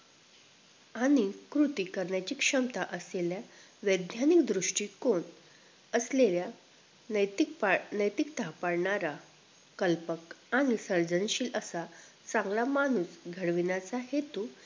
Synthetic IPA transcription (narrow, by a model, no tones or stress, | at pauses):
añikɾut̪ikəɾɳjat͡ɕiːkʂəmt̪aʔəslelja | ʋəjd̪njanikd̪ɾuʂʈiːkon | əslelja | əjt̪ipnəjt̪ikt̪apaɽɳaɾa | kəlpəkañisəɾd͡zənɕiːlʔəsa | t͡sãŋɡlamanuːsɡʱəɽʋinat͡saɦet̪u